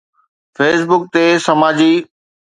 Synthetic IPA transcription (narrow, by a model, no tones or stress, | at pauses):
feːsbʊk̚t̪esɐmaːd͡ʑiː